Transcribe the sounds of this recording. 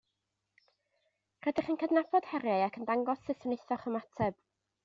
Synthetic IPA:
r̥ɛdɪχənkʰədnabʰɔd̥hɛɾjajakʰəndaŋɡɔsɪsəneθɔχɔmatʰɛb̥

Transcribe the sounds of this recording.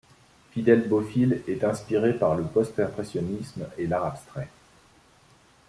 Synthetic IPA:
fid̪ɛlbofilɛt̪ɛ̃spiʁepaʁləpɔst̪ɛ̃pχɛsjɔnismelaʁapst̪χɛ

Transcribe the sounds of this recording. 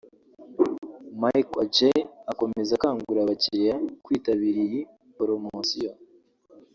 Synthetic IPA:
majkad͡ʒeako̞me̞zakaːŋɡuɾaβaciɾejakwiːtaβiɾiji | poɾomoasijo

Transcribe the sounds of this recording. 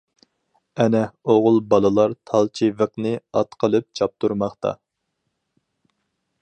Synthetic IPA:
ɛnɛoʁʊlˠbɑlˠɨlˠɑɾt̪ʰɑlˠt͡ʃʰivəqnɨɑt̪qʰəlˠɨp̚t͡ʃʰɑp̚t̪ʰuɾmɑχt̪ɑ̰

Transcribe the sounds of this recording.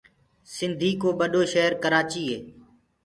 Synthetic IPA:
sɪnd̪ʱiːkoːɓəɗoːʃəɦəɾkəɾaːt͡ʃiːɦeː

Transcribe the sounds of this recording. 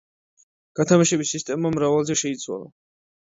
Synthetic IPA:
ɡ̥at̪ʰamaʃɛbisist̪ʼɛmamɾavalˠzɛʃɛit̪sʰwa̰lˠa̰

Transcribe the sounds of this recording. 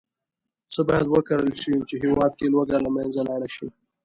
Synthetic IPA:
t͡səbɑjad̪wəkaɾəlʃəwimt͡ʃeɦɪwɑd̪̚kelwaɡalamanzalaɽaʃi

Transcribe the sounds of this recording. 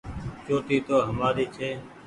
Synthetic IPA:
t͡ʃoːʈ̪iːt̪oːɦəmaːɗ̪iːt͡ʃʰeː

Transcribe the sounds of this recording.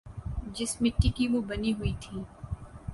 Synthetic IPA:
d͡ʒɪsmɪ̃ʈːɪkiʋobɐniɦʊit̪ʰiː

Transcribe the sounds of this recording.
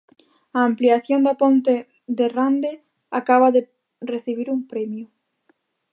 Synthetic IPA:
aːmpliaθjond̪apont̪e | ðerand̪e | akaβaðe | reθiβiɾumpɾɛmjʊ

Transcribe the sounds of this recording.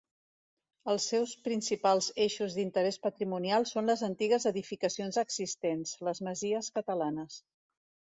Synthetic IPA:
əlˠsːɛwspɾinsipalˠzeʃuzðint̪əɾɛspət̪ɾimunialˠsonləzənt̪iɣəzəðifikəsionzəɡzist̪enz̥ləzməziəskət̪əlanəs

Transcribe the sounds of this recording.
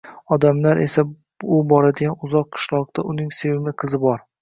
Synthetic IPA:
ɒd̪amlaɾʔe̞sa | ʊbɒɾad̪ɪɡʲanʊzɒqʰːɨ̥ʃlˠɒq̚t̪ʰaʔʊnɪŋsewɪmɪqʰɨzɪbɒɾ

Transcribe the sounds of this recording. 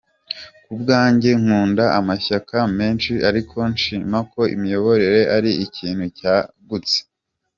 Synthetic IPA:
kubɡaːɲɟeŋ̥uːndaʔamaçakame̞ːnʃiʔaɾikʰo̞nʃiːmako̞ḭmijo̞βo̞ɾe̞ɾe̞ʔaɾiicʰiːnhucaːɡut͡se̥

